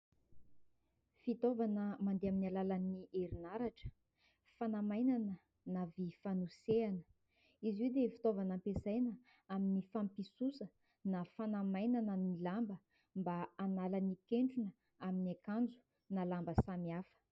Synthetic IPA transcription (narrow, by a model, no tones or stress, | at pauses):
fit̪ovanəmand̪eaminalalaniʔeɾinaɾaʈ͡ʂə̥ | fanamajnanə | navifanuseanə̥ | iziewd̪efi̥t̪ovanampesajnə | aminifampisusə | nafanamajnanənilambə | mbaanalanikeɳɖ͡ʐunə | aminakand͡zu̥ | nalambəsamiafə̥